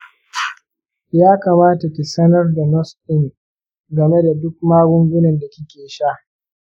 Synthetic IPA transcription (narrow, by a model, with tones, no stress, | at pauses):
jaː˦kaː˨maː˦ta˨kʲi˨sɐ˦nɐ˦rda˨nɔ˦stɪ˦˨ŋ | ɡɐ˨me˦da˨dʊ˦k̚maː˦ɡʷʊ˦ŋɡʷʊ˦nɐ˨nda˨kʲi˦kʲeː˨ʃa˦˨ʔ